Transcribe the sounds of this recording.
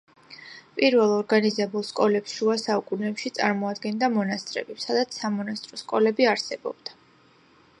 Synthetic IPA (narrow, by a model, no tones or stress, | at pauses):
pʼiɾvɛlˠɔɾɡanizɛbulˠskʼɔlɛpsʃuasaukʼunɛpʃit̪sʼa̰ɾmɔad̪ɡɛnd̪amɔnast̪ʼɾɛ̰bisad̪at̪sʰsamɔnast̪ʼɾɔskʼɔlɛbiaɾsɛbɔ̰b̥d̪a